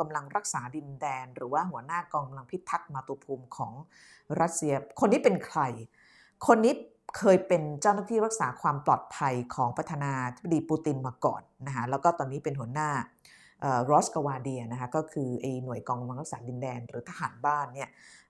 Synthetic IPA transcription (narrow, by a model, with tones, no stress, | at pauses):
ka˧mla˧ŋɾa˦˥k̚saː˩˦di˧ndɛː˧nɾɯː˩˦waː˥˩ɦu˩˦ɐnaː˥˩kɔː˧ŋka˧mla˧ŋpʰi˦˥t̪ʰːa˦˥k̚maː˧t̪u˧ɐpʰuː˧mkʰɔː˩˦ŋ | ɾa˦˥t̪̚si˧ɐkʰo˧nːiː˦˥pe˧nkʰɾa˧j | kʰo˧nːiː˦˥ | kʰɤː˧jpe˧nt͡ɕaː˥˩wnaː˥˩t̪ʰiː˥˩ɾa˦˥k̚saː˩˦kʰwaː˧mplɔː˨˩t̪̚pʰa˧jkʰɔː˩˦ŋpɾa˧t̪ʰaː˧naː˧t̪ʰi˦˥b̚a˧diː˧puː˧t̪i˧nmaː˧kɔ̰ː˨˩nːa˦˥kʰa˦˥lɛː˦˥wkɔː˥˩t̪ɔː˧nːiː˦˥pe˧nɦu˩˦ɐənaː˥˩ | ʔɤː˨˩ɾoː˦˥ska˧waː˧diː˧ɐna˦kʰa˦˥kɔː˥˩kʰɯː˧ʔa˧jnu˨˩əjkɔː˧ŋka˧mla˧ŋɾa˦˥ksaː˩˦di˧ndɛː˧nɾɯː˩˦t̪ʰa˧ɦaː˩˦nbaː˥˩nːi˥˩ɐ